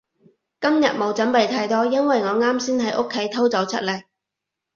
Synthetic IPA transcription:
kɐ˥mjɐ˨t̚mo˨˥wt͡sɐ˨˥npe˨˧jt̪ʰaː˧˥jt̪ɔː˥jɐ˥nwɐ˨jŋɔː˨˧ŋaː˥msiː˥nhɐ˨˥jʔo˥kʰːe˨˥jt̪ʰo˥wt͡sɐ˨˥wt͡sʰɐ˥t̚le˨˩k̚

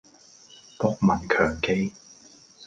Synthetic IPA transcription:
pɔ˥k̚mɐ˨˩nkʰœː˨˩ŋke˥j

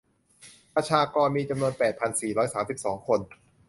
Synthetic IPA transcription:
pɾa˧t͡ɕʰaː˧kɔː˧nmiː˧t͡ɕa˧mnu˧ənpɛː˨˩t̪̚pʰa˧nsiː˨˩ɾɔː˦˥jsaː˩˦msi˨˩p̚sɔː˩˦ŋkʰo˧n

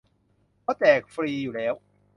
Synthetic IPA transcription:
kɔː˦˥t̪ɛː˨˩k̚fɾiː˧juː˨˩lɛː˦˥w

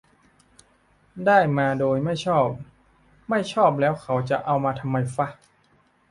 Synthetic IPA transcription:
daː˥˩jmaː˧doː˧jma˥˩jt͡ɕʰɔː˥˩p̚ | ma˥˩jt͡ɕʰɔː˥˩p̚lɛː˦˥wkʰa˩˥wt͡ɕa˨˩ʔa˧wmaː˧t̪ʰa˧mːa˧jfa˦˥

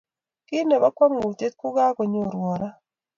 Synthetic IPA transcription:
kɪ˦ne˨ba˦kwa˦mŋu˨te˦t̚kʊ˦ɡa˦ko˨ɲo˨ɾwɔ˨ɾa˦

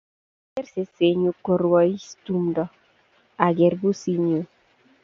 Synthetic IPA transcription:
ke˦rse˨se˨ɲu˨ko˨ɾwɔ˨i˦stu˦mdɔ˨ | a˨ɡe˨rbu˦si˦ɲu˨

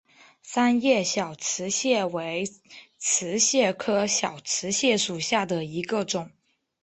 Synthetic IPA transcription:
sa˥njɛ˥˩ɕjɑ˨˩ʊt͡sʰɹ̩˧˥ɕjɛ˥˩we˧˥ɪt͡sʰɹ̩˧˥ɕjɛ˥˩kʰɤ˥ɕjɑ˨˩ʊt͡sʰɹ̩˧˥ɕjɛ˥˩ʂu˨˩ɕja˥˩d̪ə˩i˧˥ɡə˧ʈ͡ʂʊ˨˩˦ŋ

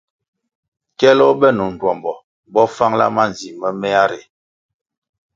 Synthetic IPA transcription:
kɛ˦lɔ˦bɛ˦nu˨n˨dwɔ˨mbɔ˨ | bɔ˦fa˦ŋla̰˦ma˦n˨zi˨mə˦mɛ˦a˦ɾe˨

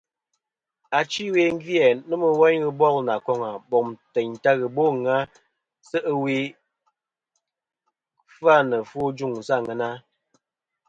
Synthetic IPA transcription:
a˨t͡ʃi˦we˦ŋ˦ɡi˦ɛ˨nə˦mə˨wa˦ɲɣə˦bɔ˦˨lna˨kɔ˦ŋa˨bɔ˨mtɛ˨ɲta˦ɣə˨bo˦ŋa˦ | sə˦ʔə˦we˦ | fa˦˨nə˨fo˦d͡ʒu˦˨ŋn̩˨sa˦˨ŋə˨na˦

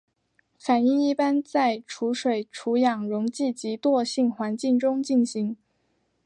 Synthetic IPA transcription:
fa˨˩ni˥˧ŋi˥˩pa˥nt͡sa˥˩ɪʈ͡ʂʰu˧˥ʂwe˨˩ɪʈ͡ʂʰu˧˥jɑ˨˩ŋɻʊ˧˥ŋt͡ɕi˥˩t͡ɕi˧˥t̪wɔ˥˧ɕi˥˩ŋxwa˧˥nt͡ɕi˥˩ŋʈ͡ʂʊ˥ŋt͡ɕi˥˩nɕi˧˥ŋ

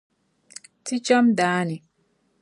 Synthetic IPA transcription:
ti˦t͡ʃɔ˦mdaː˨˦ni˨

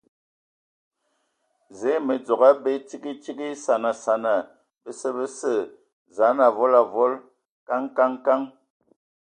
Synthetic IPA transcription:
ze˨˦mə˨d͡zɔ˨ɣa˦be˦ti˦ɡi˦ti˦ɡi˦sa˨na˨sa˨na˨ | bə˦sə˦˨bə˦sə˦˨ | za˨˦na˨vɔ˦la˨vɔ˦l | ka˦ŋka˦ŋka˦ŋ

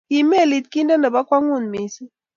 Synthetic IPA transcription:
ki˨me˦˨li˨t̪̚ki˦nda˦nda˨ba˦kwa˦ŋu˦˨nmi˨si˦

